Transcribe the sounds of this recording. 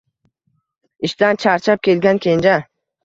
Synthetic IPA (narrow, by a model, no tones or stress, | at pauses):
ɪʃt̪ant͡ʃʰaɾt͡ʃʰap̚kʲʰelɡʲankʲʰend͡ʒa